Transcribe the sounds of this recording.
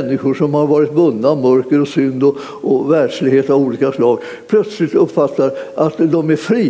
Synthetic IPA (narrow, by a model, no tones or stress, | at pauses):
nːɪɧʊʂɔmhaɾvɑːɾɪt̪vɵnːamœɾkəɾɔsʏnd̪ɔ | ɔvæɖʂlɪɡheːt̪avuːliːkaslɑːɡ | pʰlœt̪slɪt̪ɵpːfat̪ːaɾʔat̪d̪ɔmæɾfɾiː